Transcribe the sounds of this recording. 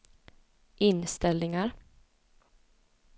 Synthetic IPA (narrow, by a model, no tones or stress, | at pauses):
ʔɪnst̪ɛlnɪŋaɾ